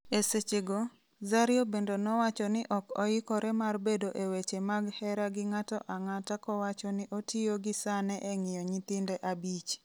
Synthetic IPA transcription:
eset͡ʃeɡo | zaɾjobendonɔwat͡ʃɔnɪʔɔkɔ̰ɪkɔɾɛmarbedoʔewet͡ʃemaɡhɛɾaɡɪŋatɔ̰ʔaŋatakɔwat͡ʃɔnɪʔotʰioɡɪsanɛʔɛŋɪjɔɲit̪ɪndɛʔabit͡ʃ

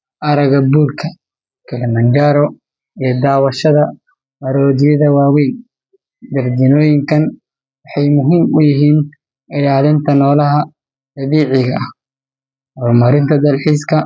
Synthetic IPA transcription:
ʔɐɾɐɣɐbuːrkʰɐ | kʰɛlɐmɐnd͡ʒaɾɔ | ijɞd̪aːwɐʃɐðɐ | mɐɾɔːdɪjɐðɐwaːwɛjn | d̪ɐrdɪnɔːjɪŋkʰɐn | wɑħɑjmʊɦiːmʊjɪɦiːn | ɪlaːlɪnt̪ʰɐnɔːlɐɦɐ | d̪̥ɐβiːʕɪɣɐɐh | hɔrmɐɾɪnt̪ʰɐd̪ɐlħiːskʰɐ

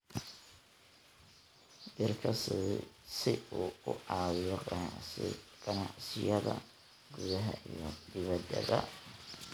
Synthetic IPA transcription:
d̪ɪrkʰɐsɪsɪuːʊʔɑːwɪjɔqɑ | qʼɑnaʕsɪjɐðɐ | ɡ̥uðɐɦɐ̰ʔijɔd̪ɪβɐd̪ɐ̰ðɐ

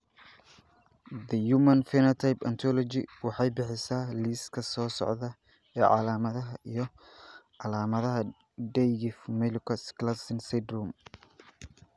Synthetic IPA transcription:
d̪ɐjumɐnfɛnɐt̪ʰajpɐnt̪ʰɔlɔt͡ʃɪwɑħɑjbɪħɪsaːliːskʰɐsɔːsɔ̰ʕðɐ | ɛːʕɑ̰laːmɐðɐɦɐʔijɞ | ʕɑlaːmɐðɐɦɐ | ɖɛjɡɪfmɛlkʰɐsklɐsɪnsɛd̪rum

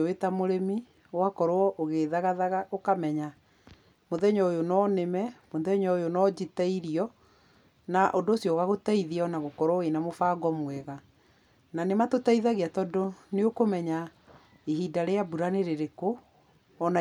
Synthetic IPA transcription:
owetamoɾemi | wakɔɾoɔʔoɣeðaɣaðaɣaʔokamɛɲa | moðɛɲɔojonɔːnemɛmoðɛɲɔojonɔd͡ʑitaiɾiɔ | naʔondoːsjɔːɣaɣotaiðiɔnaɣokɔɾwɔenamofaːɡɔmwɛɣa | nanematotaiðaɣeatɔdoneokomɛɲa | eɦidaɾeabuɾaneɾeɾekoː | na

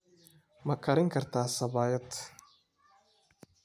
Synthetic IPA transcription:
mɐkʰɐɾɪŋkʰɐrt̪ʰaːsɐβaːjɐt̪

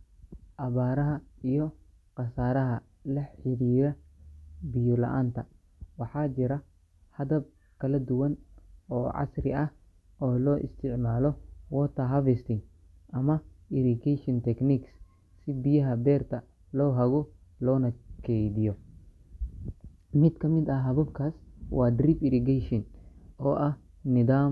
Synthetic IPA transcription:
ʔɐβaːɾɐɦɐijɔ | qɑsaːɾɐɦɐ | lɐħɪɾiːɾɐ | bijʊlɐ̰ʔa̰ːnt̪ʰɐ | wɑħɑːt͡ʃɪɾɐ | hɐðɐb̚ | kʰɐlɐd̪ʊwɐnɔːʕɑ̰srɪɐh | ɔːlɔːʔɪ̰st̪ʰɪʕmaːlɔwɔːt̪ʰɐɦɐvɛst̪ɪŋ | ʔɐmɐɪɾɪɡɛjʃɔnt̪ʰɛkniks | sɪbijɐɦɐbɛːrt̪ʰɐ | lɔːɦɐɣɔ | lɔːnɐkʰɛjd̪ɪjɔ | mɪd̪kʰɐmɪd̪ɐɦɐβɐbkʰaːswɑːd̪ripɪɾɪɡɛjʃɔnɔːʔɐh | nɪðaː

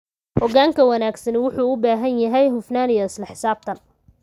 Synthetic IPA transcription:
ʔɔɣaːŋkʰɐwɐnaːɡsɐnwʊħuːʊbaːɦɐnjɐɦɛjɦʊfnaːnijɔɪslɐħɪ̥saːb̚t̪ʰɐn

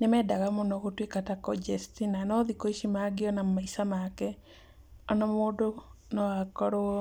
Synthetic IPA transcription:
nemɛdaɣamɔnɔɣotwekatakɔd͡ʒɛstinanɔðikɔiʃimaɡeɔnamaisamakɛ | anɔmodo | nɔakɔɾo

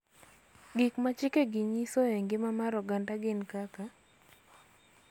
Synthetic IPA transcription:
ɡɪkmat͡ʃɪkeɡiɲisoeŋɡɪmamaɾɔɡantaɡɪnkaka

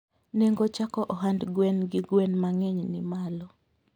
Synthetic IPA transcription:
neŋɡot͡ʃakɔʔɔɦandɡwɛnɡɪɡwɛnmaŋɛɲnɪmalɔ

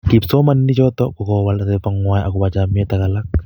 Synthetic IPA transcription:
kipsɔmanːit͡ʃɔt̪ɔkukɔwalatepaŋwaːjʔakubat͡ʃamɛt̪akalak

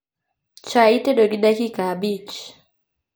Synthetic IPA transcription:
t͡ʃaitɛɗɔɡinakikabit͡ʃ

